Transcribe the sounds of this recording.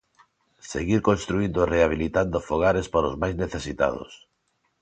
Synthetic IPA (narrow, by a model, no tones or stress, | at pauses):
sḛɣiɾkonst̪ɾuind̪oreaβ̞ilit̪and̪ofoɣ̞aɾespaɾozmajzneθesit̪a̰ð̞o̰s